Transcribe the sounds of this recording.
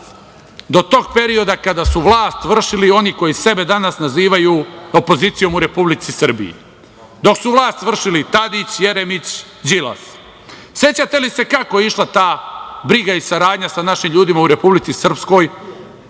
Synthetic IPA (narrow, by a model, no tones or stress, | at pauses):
d̪o̞t̪o̞ɡpe̞ɾio̞d̪akad̪asuʋlˠaːst̪ʋr̩ʃilio̞niko̞jise̞be̞d̪anasnaziːʋajuo̞po̞zit̪sijo̞muɾe̞publit̪sisr̩bḭjḭ | d̪o̞ksuʋlˠaːst̪ʋr̩ʃilit̪ad̪it͡ɕje̞ɾemit͡ɕ | d͡ʒila̰s | se̞t͡ɕat̪e̞lise̞kako̞jeiʃlˠat̪aːbɾiɡaisaɾaːd̪ɲasanaʃimʎuːd̪imauɾe̞publit̪sisr̩psko̞ːj